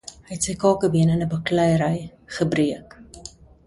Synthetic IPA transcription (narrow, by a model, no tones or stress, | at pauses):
ɦɛtsəjkɑːkəbiənənəbəklɛjəɾəjχəbriək